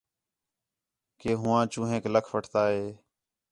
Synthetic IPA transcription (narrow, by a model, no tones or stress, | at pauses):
keːɦʊ̃ːãːt͡ʃũːɦẽːkləkʰʋəʈʰt̪aːɦeː